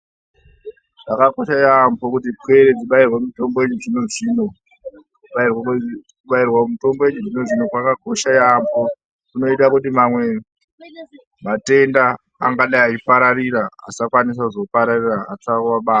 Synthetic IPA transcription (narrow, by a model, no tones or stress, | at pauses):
ʐakakoʃajambokutipwe̞ɾed͡ziɓairwemito̞mboeɲuʐinoʐiːno | uɓairwakuɓairwamito̞mboeɲuʐinoʐino̞kwakako̞ʃajambʰo̞ | kuno̞itakutimamwe̞ | mate̞ndaː | ŋɡaɗaat͡ʃipaɾaɾiɾaa̰sakwanis̬akuzo̞paɾariraatakwaɓaːa